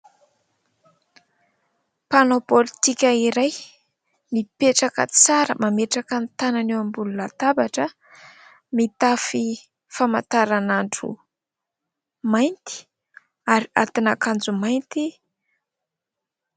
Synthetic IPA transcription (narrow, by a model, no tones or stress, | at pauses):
panopolit̪ikʲəiɾaj | mipeʈ͡ʂakə̰t͡saɾəmameʈ͡ʂakənt̪ananewambulunat̪abaʈ͡ʂə | mit̪afi | fama̰t̪aɾanaɳʈ͡ʂṵ | majnt̪i̥ | aɾia̰t̪inakand͡zumajnt̪i